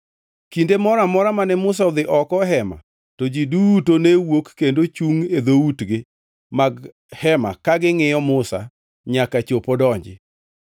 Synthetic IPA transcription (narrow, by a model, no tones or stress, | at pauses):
kindemɔɾamɔɾamanɛmʊs̬aɔd̪ɪʔɔkɔɦɛma̰ | tod͡ʒidutonewokːendot͡ʃuŋed̪outɡɪ | maɡ | hɛma̰kaɡɪŋɪjɔmʊsa̰ | ɲakat͡ʃopodɔɲd͡ʒɪ̰